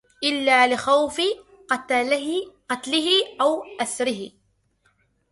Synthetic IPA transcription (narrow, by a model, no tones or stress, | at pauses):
ʔɪlːaːlɪxawfɪ | q | qɑt̪lɪɦɪʔawʔasɾɪɦɪ